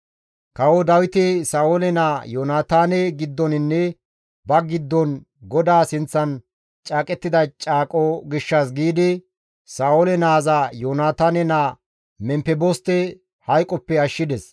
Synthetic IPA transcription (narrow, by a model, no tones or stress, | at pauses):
kɐwɔd̪ɐwɪt̪ɛsaːolɛnajoːnaːt̪aːnɛɡɪd̪ːɔnɪnːɛ | bɐɡɪd̪ːɔn | ɡɔd̪aːsɪnt͡sːɐn | t͡ʃʼaːkʼɛt̪ːɪd̪ɐt͡ʃʼaːkʼɔɡɪʃːas̬ɡiːd̪ɪ | saːolɛnaːzajoːnaːt̪aːnɛna | mɛmpɛbɔst̪ɛ | hɐjkʼːɔpːɛɐʃːɪd̪ɛs